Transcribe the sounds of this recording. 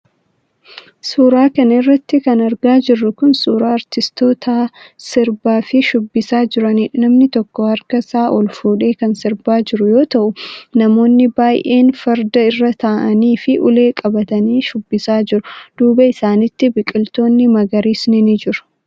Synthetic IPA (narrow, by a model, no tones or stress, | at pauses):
suːɾaːkɐnɐɪrːɐt̪ːɪkɐnɐɾɡaːd͡ʒɪrːʊkʊnsuːɾaːɐɾt̪ɪst̪o̞ːt̪aːsɪɾbaːfɪʃʊbːɪsaːd͡ʒɪɾɐninɐmnɪt̪ɔkːɔhɐɾkɐsaːʔɔlfuːᶑe̞ːkɐnsɪɾbaːd͡ʒɪɾʊjo̞ːt̪ɐʔʊnɐmo̞ːnːɪbaːjʔe̞ːnfɐɾd̪ɐɪrːɐt̪aːʔɐniːfɪʔʊle̞ːkʼɐbɐt̪ɐniːʃʊbːɪsaːd͡ʒɪɾʊd̪̥uːbɐɪsaːnɪt̪ːɪbɪkʼɪlt̪o̞ːnːɪmɐɡɐɾiːsnɪnɪd͡ʒɪɾʊ̥